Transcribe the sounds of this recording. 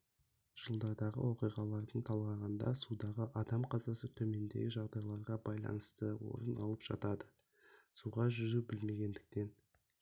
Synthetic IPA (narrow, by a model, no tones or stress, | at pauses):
ʒ̥əlˠd̪ɑɾd̪ɑʁə̰wo̞qijʁɑlˠɑɾd̪əɴt̪ʰɑlˠʁɑʁɑnd̪ɑ̰sud̪ɑʁəʔɑd̪ɑmqʰɑzɑsət̪ʰɵme̞nd̪ḛɡʲɪʒɑʁd̪ɑjlˠɑɾʁɑbɑjlˠɑ̰nəst̪əwo̞̰ɾənɑ̰lˠəpʒ̥ɑ̰t̪ɑd̪ə | suʁɑʒʏzubɪlme̞ɡʲe̞nd̪ɪk̚t̪e̞n